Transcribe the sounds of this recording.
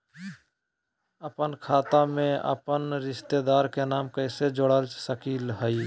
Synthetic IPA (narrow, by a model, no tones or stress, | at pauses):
əpənkʰaːt̪amẽə̰pənɾɪʃt̪ed̪aːɾkenaːmkəɪsed͡ʒoɽəlsəkiːlɦəi